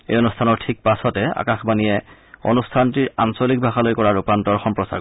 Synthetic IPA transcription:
ḛjonustʰanɔɹtʰik̚pasɔtɛa̰kaxbanijɛ | o̰nustʰantiɹa̰nsolik̚bʱaxalojkɔɹaɹupantɔɹxɔmpɹɔsa̰ɹ

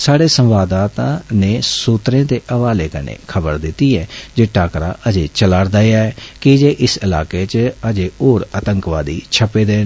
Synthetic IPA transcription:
saːɽeːsə̃mʋaːd̪aːt̪ãːneːsuːt̪ɾẽːd̪eːʔəʋaːleːkənḛːkʰəbəɾd̪ɪt̪ːiːɛːd͡ʒeːʈaːkɾa̰ːʔəd͡ʒeːt͡ʃəlaːɾd̪aːjaːɛːkɪd͡ʒeːʔɪsɪla̰ːkeːt͡ʃəd͡ʒeːoːɾət̪əŋkʋaːd̪iːt͡ʃʰəpeːd̪eː

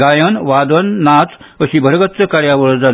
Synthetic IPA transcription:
ɡajənʋad̪ənːat͡s | əɕiːbʱəɾɡət̪t͡səkaɾjaʋəɭəd͡za

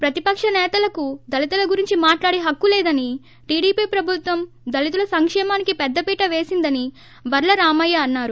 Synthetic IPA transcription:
pɾɐt̪ipɐkʂɐnɛːt̪ɐlɐkud̪ɐlit̪ɐlɐɡuɾiɲt͡ʃimaːʈlaːɽiɦɐkːulɛːd̪ɐni | ʈiːɽiːpiːpɾɐbʱut̪ʋɐm | d̪ɐlit̪ulɐsɐŋkʂɛːmaːnikipɛd̪ːɐpiːʈɐʋeːsind̪ɐni | bɐɾlɐɾaːmɐjːaːnːaːɾu

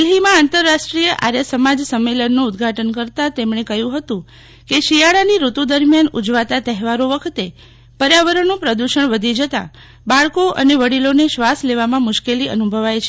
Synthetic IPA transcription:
lɦimãant̪əɾːaʃʈɾijəʔa̰ɾjəsəmad͡ʒsəmːelənːũːd̪ɡʱaʈənkəɾt̪at̪emɳekəjũɦət̪ũ | keʃijaɭaniɾut̪ud̪əɾmjanud͡ʒʋat̪at̪əɦʋaɾoʋəkʰət̪e | pəɾjaʋəɾənũpɾəd̪uʃəɳʋəd̪ʱid͡ʒət̪a̰ | baɭkoʔə̰neʋəɽiloneʃʋasleʋamãmʊʃkeliə̰nubʱəʋajt͡ʃʰe

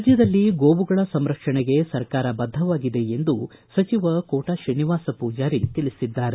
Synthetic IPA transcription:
d͡ʒjɐd̪ɐlːiɡoːbuɡɐɭɐsɐmɾɐkʂɐɳeɡe̞sɐɾkaːɾɐbɐd̪ʱːɐʋaːɡid̪e̞end̪u | sɐt͡ʃiʋɐkoːʈaːʃɐniʋaːsɐpuːd͡ʒaːɾit̪iɭisid̪ːaːɾe

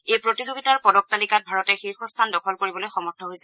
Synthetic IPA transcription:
ejpɹotizoɡitaɹpɔdɔk̚talikat̚bʱaɹɔtɛxiɹxʰɔstʰandɔkʰɔlkoɹibɔlojxɔmɔɹtʰɔɦojsɛ

